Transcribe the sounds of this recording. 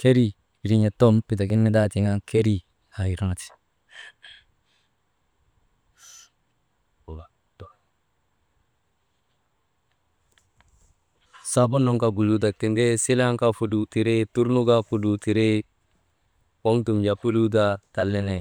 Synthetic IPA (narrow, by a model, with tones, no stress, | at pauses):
ke˦ɾi˦ | i˨ɾi˦ɲa˨to˦mpi˨t̬a˨ki˦nːe˦da˦ti˨ŋa˦ŋkʰe˦ɾi˦ | ha˨i˨ɾa˦ŋa˨ti̥˨ | o˨ɡa˨ | to˨ | sa˦bu˦nːo˦ŋka˨bu˨lu˦t̬a˨ti˨nde˦si˦la˦ŋka˦fu˨du˨ti˨ɾe˦tu˦ɾnu˦ɡa˦fu˨du˨ti˨ɾe˦ | wo˦ŋtu˨md͡ʒa˨pu˦lu˦t̬a˦ta˨lːe˦ne˨